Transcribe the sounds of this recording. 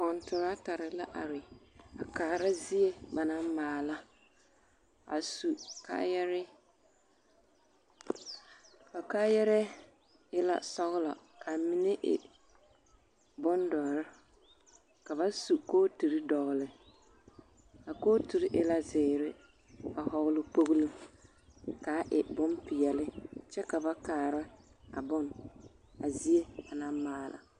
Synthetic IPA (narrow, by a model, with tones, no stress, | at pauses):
kɔ˨ntʊ˨ɾa˦ta˨ɾɪ˨la˦ʔa˨ɾɪ˨a̰˨kaː˨ɾa˦zi˦e˦ba˨na˦m˦maː˨la˦ | a̰˨su˨ka̰˦jɛ˦ɾɪ˦ | a˨ka˦jɛ˦ɾɛ˦ | ɪ˦la̰˦sɔ˦ɣlɔ̰˨ | kʰa˨mɪ˦ne˦ʔɪ̰˨ | bʊ˦ndɔ˨ɾa˦ | ka˨βa˦su˨koː˦tu˨ɾɪ˦dɔ˨ɣlɪ˨ | a˨koː˦tu˨ɾɪ˦ʔɪ˦la˦zɪ˨ɾɪ˦ | a˨hɔ˨ɣʊ˦lɪ˦po˦ɣlu˦m | ka˨˦ʔɪ˨bʊ˦mpɪ˨jɛ˨lɪ˦t͡ʃɛ˦ka˨ba˦kaː˨ɾɪ˦a̰˨bɔ˦n | a˨zi˦e˦a˨na˦maː˦˨la̰˨